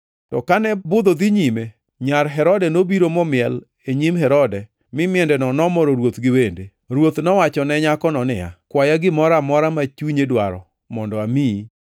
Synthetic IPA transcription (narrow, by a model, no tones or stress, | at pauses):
tɔkanɛbʊd̪od̪ɪɲime | ɲaɾɦɛɾɔdɛnobiɾomɔmɪɛl | eɲimɦɛɾɔdɛ | mɪmɪɛndɛnɔnɔmɔɾoɾwot̪ɡɪwende | ɾwot̪nɔwat͡ʃɔnɛɲakɔnɔnɪja̰kwajaɡɪmɔɾamɔɾamat͡ʃuɲedwaɾɔ̰ | mɔndɔami